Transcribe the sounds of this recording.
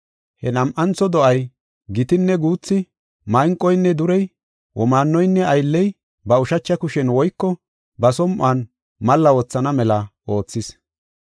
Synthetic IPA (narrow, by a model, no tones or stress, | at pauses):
hɛnɐmʔɐnt͡sɔd̪ɔʔɐj | ɡɪt̪ɪnːɛɡuːt͡sːɪ | mɐjŋkʼːɔjnːɛd̪ʊɾɛj | wʔɔmaːnːɔjnːɛɐjlːɛj | bɐʊʃɐt͡ʃːɐkʊʃɛnwɔjkːɔ | bɐsɔmʔaːn | mɐlːɐwɔt͡sːɐnɐmɛlɐʔo̞ːt͡sːɪs